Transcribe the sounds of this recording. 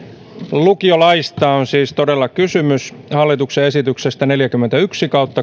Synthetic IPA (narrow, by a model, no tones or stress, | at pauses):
lukiolɑist̪ɑːonsiːst̪odelːɑkysymyshɑlːit̪ukseesit̪yksest̪æneljækymːent̪æyksikɑut̪ːɑ